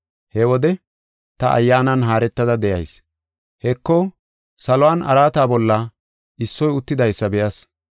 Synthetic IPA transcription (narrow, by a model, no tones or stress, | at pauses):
hɛwɔd̪ɛ | t̪ɐʔɐ̰jːaːnɐnɦaːɾɛt̪ːɐd̪ɐd̪ɛjɐ̰js | hɛkːɔ | sɐlɔwaːnʔɐ̰ɾaːt̪aːbɔlːɐ | ʔɪsːɔjʊt̪ːɪd̪ɐjsːɐbɛjɐs